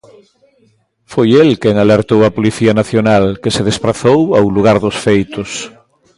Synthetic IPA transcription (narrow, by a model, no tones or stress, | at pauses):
fojelkeŋaleɾt̪owapoliθianaθjonalkeseð̞espɾaθowawluɣ̞aɾðosfejt̪os